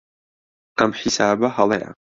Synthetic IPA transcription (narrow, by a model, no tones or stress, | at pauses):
amħisaːbahalˠɛʔa̰